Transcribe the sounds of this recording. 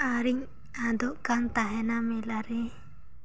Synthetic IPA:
aɾiɲ | ad̪ɔʔkaŋt̪aɦɛnamɛlaɾɛ

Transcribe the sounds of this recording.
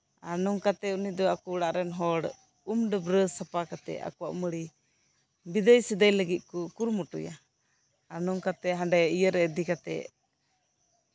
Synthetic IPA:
anɔŋkat̪ɛunid̪ɔakuːɽaʔɾɛnɦɔɽ | umɖəbɾəsapakat̪ɛ̰a̰kuwaʔməɽi | bid̪əjsɛd̪əjləɡit̪̚ˀkukuɾmɔʈuja̰ | anɔŋkat̪ɛɦãɖɛijəɾɛd̪ikat̪ɛ̰ʔ

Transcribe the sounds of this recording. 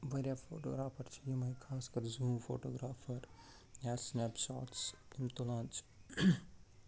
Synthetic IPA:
ʋɐɾjafʰo̰ːʈo̰ːɡɾaːpʰɐɾt͡ʃʰijimɐikʰaːskɐɾzuːmfʰo̰ːʈoːɡɾaːpʰɐɾ | jaːsnɛpsɔ̰ːʈs | imt̪olãːnt͡ʃʰ

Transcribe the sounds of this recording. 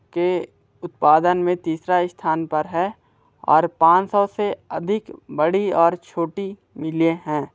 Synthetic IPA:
ke | ʊt̪̚paːd̪ənmẽt̪iːsɾaɪst̪ʰaːnpəɾɦɛː | ɔ̰ːɾpãːt͡ʃsɔseɐd̪ʱɪkbəɽiɔːɾt͡ʃʰoːʈi | mɪleɦɛ̃ː

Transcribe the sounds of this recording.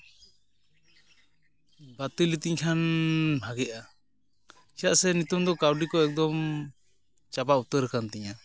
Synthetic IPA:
bat̪ulit̪iɲkʰanbʱaɡɛʔa | iaʔsɛnut̪umd̪ɔkawɖikɔɛk̚d̪ɔm | t͡ʃabaʔut̪əɾɛkant̪ɛɲa

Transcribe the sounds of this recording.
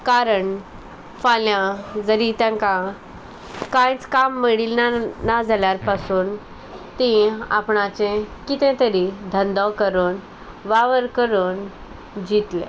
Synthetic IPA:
kaɾəɳ | faljãd͡zəɾit̪jãŋkã | kãjt͡skamːiɽilnanad͡zʱaljaɾpasuːn | t̪ĩa̰pɳat͡ɕẽkit̪ɛ̃t̪əɾid̪ʱənd̪ɔkəɾuːn | ʋaʋəɾkəɾuːn | d͡ʑit̪lḛ̃

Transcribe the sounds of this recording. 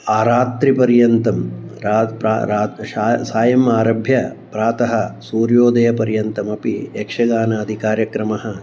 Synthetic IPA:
aːɾaːt̪ɾipɐɾjɐnt̪ɐmɾaːpɾa̰ɾaːaːsaːjɐmaːɾɐbʱjɐpɾaːt̪ɐɦɐ̆suːɾjoːd̪ɐjɐpɐɾjɐnt̪ɐmɐpiekʂɐɡaːnɐːd̪ʱikaːɾjɐkɾɐmɐɦɐ̆

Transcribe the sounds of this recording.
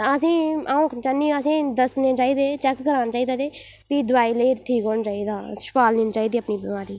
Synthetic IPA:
əsĩːaːũːt͡ʃaniːəs̬ĩːd̪əsneːt͡ʃaːiːd̪eːt͡ʃɛːkːəɾaːnat͡ʃaːiːd̪aːt̪eː | pid̪ʊʋaːiːləiːʈʰiːkɦoːnt͡ʃaːiːd̪aːʃpaːlniːnt͡ʃaːiːd̪iːəpniːbəmaːɾiː

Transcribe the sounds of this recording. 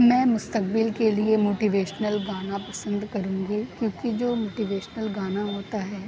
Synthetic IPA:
mɛ̃ːmʊst̪ək̚bɪlkeliemoːʈiʋeːʃnəlɡaːnapɐsə̃nd̪kɐɾũːɡikjõːkid͡ʒoːmoːʈiʋeːʃnəlɡaːnaɦoːt̪aɦɛː

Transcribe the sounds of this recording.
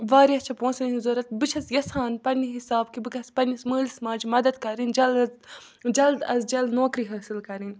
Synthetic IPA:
ʋaːɾjɐt͡ʃʰɐpõːnsninzoːɾɐt̪̚bɨt͡ʃʰɐsjɐsaːnpɐnʲiɦisaːb̚kibɨkɐspɐnʲismɨːlismãːd͡ʒimɐd̪ɐd̪kɐɾinʲd͡ʒɐl | d͡ʒɐld̪ɐ̰zd͡ʒɐld̪noːkɾiɦɐːsilkɐɾinʲ

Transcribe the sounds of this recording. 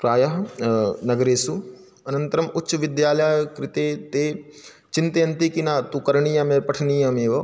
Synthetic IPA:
pɾaːjaɦnəɡɾeːsu | ɐnə̃nt̪əɾəmʊtːʃʋɪd̪jaːljaːkɾɪt̪eːt̪eː | t͡ʃɪnt̪jənt̪ikinaːt̪ukəɾɳiːjãːmeːpəʈʰniːjãːmeːʋə

